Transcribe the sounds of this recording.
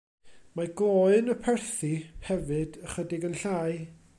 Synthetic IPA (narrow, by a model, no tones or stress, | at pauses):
maɡlˠoɨnəpʰɛrθihɛvɨdəχwədɪɡənɬaːɨ